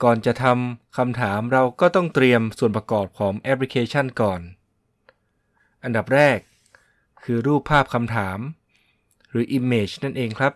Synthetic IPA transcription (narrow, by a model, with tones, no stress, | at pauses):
kɔː˨˩nt͡ɕa˨˩t̪ʰa˧mkʰa˧mt̪ʰaː˩˦mɾa˧wkɔː˥˩t̪ɔ˥˩ŋt̪ɾi˧əmsu˨˩ənpɾa˧kɔː˨˩p̚kʰɔː˩˦ŋʔɛ˦˥pʰli˧˥kʰeː˧t͡ɕʰa˥˩nkɔː˨˩n | ʔa˧nda˨˩p̚ɾɛː˥˩kʰː | ɯː˧ɾuː˥˩pʰːaː˥˩p̚kʰa˧mt̪ʰaː˩˦m | ɾɯː˩˦ʔi˧mːeː˨˩t͡ɕna˥˩nʔeː˧ŋkʰɾa˦˥p̚